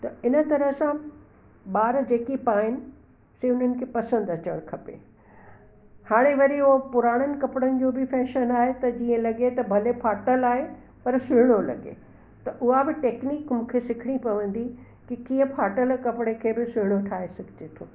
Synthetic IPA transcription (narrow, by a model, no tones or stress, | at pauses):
t̪ɐɪnə̆t̪ɐɾəɦsã | ɓaːɾd͡ʑeːkipaːɦɪnɪ̆ | seʊn̤ənɪ̆kʰeːpɐsə̃nd̪ɐt͡ɕəɽ̃kʰɐpḛ | haːɽ̃eʋɐɾiʊopʊɾaːɽ̃ənɪ̆kɐpɽənɪ̆d͡ʑõbɪfɛːʃənaːɦet̪ɐd͡ʑiːə̃lɐɡet̪ɐbʱɐlepʰaːʈəlaːɦe | pɐɾsʊɦɪɽ̃olɐ̰ɠḛ | t̪ɐʔʊɦabɪʈeːkniːkmũːkʰesɪkʰɪɽ̃ipɐʋə̃n̆d̪i | kikiːə̃pʰaːʈəlkɐpɪɽ̃ekʰeːbɪsʊɦɪɽ̃oʈʰaːɦesɐɡʱɪd͡ʑet̪ʰoː